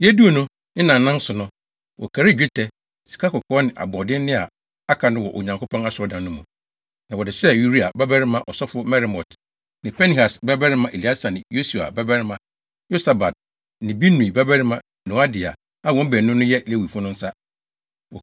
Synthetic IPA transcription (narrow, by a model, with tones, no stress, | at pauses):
jɛ˦du˦o˨nʊ̃˦ | nɪ̃˦nã˨nː˨˦ã˦n̩˦sʊ˨nʊ̃˦ | wʔɔ̰˨kʰa˨ɾɪ˦˨d͡ʑᶣɪ˦tʰɛ˨ | si̥˨kʰa˦kɔ˨kʰɔː˦nɪ̃˨ʔa̰˨bɔ̃˨dɪ̃˦n˦nɪ̃˦a˨ | a˦kʰa˨nʊ̃˦wɔ˨ʔo̰˨ɲã˨ŋkʰo˦pʰɔ̃˦na˦sʊ˨ɔ˦dã˨nːʊ̃˦mũ˨ | nã˨wɔ˨dɪ˨sɛ˦ju˨ɾi˦a˨bɛ˦bɛ˦ɾɪ˦mã˦ʔɔ˨sɔ˦fʊ˦ɔ˦mɛ˦ɾi˨mɔ˨tʰ | nɪ̃˨pʰɛ˦ni˨ha˨sbɛ˦bɛ˦ɾɪ˦mã˨ʔe˨li˨˦a˦sa˨nɪ̃˨jo˦su˨a̰˨bɛ˦bɛ˦ɾɪ˦mã˨ | jo˦sa˨ba˨t̚ | nɪ̃˨bi˦nũ˨i˨bɛ˦bɛ˦ɾɪ˦mã˦ | nʊ̃˨˦a˦dɪ˨a̰˨ | a˦˨wɔ̃˦m̩˦bɛ˨nʊ̃˦nʊ̃˦jɛ˦le˦wi˨fʊ˦nʊ̃˦n̩˦sa˦ | wɔ˨